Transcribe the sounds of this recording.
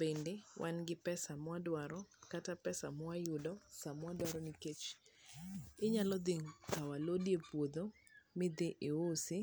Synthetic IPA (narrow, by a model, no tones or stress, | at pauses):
bendewʔanɡɪpɛsamwadwaɾɔkatapɛsamɔajʊdɔsamwadwaɾɔniket͡ʃ | ɪɲalɔd̪ɪŋkawalodjepwod̪o | mɪd̪ɪʔɪosɪ